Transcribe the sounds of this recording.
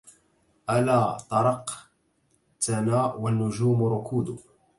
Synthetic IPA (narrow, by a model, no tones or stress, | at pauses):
ʔalaːt̪ˤɑɾˤɑq | t̪anaːwanːʊʒuːmʊɾʊkʰuːd̪ʊ